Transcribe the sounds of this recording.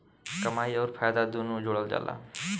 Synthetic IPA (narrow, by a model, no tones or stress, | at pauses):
kəmaːiɔːɾpʰaːjd̪ad̪unud͡ʒoːɽəld͡ʒa̰ːla̰ː